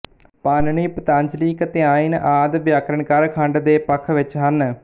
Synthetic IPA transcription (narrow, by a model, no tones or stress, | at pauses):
paːnɳiːpət̪ãːɲd͡ʒliːkət̪eaːiːnʔaːd̪ʋjaːkɾəɳkaːɾkʰə̃ɳɖd̪eːpəkʰːʋɪt͡ʃɦən